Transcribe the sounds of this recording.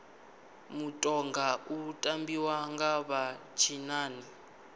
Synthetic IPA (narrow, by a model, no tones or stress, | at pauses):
mutʼɔŋɡautʼambiwaŋɡaβat͡ʃʰinaːni